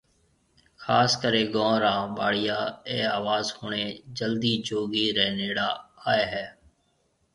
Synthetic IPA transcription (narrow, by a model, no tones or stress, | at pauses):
xʰaːskəɾẽːɡõːɾãːɓaːɽɪjaːeːaːʋaːzhoːɳeːd͡ʒəld̪iːd͡ʒoːɡiːɾɛːneːɽaːaːeːɦɛː